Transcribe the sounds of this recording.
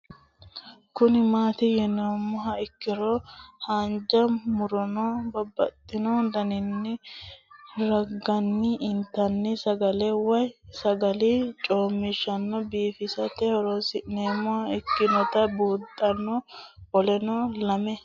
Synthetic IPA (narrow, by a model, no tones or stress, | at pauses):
kʊnɪmaːt̪ɪjɛnomːʊɦɐɪkːɪɾɔhɐnd͡ʒɐmʊɾɔnɔbɐbːɐ̰t̪ʼːɪnod̪ɐnɪnːɪ | ɾɐɡːɐnːɪɪnt̪ːɐnːɪsɐɡɐlɛwɐjsɐɡɐlɪt͡ʃʼoːmːɪʃːɐnːɔbiːfɪsɐt̪ɛhɔɾɔsɪnemːʊhɐɪkːɪnɔt̪ɐbuːt̪ʼːɐnːɔɔlɛnɔlɐmɛ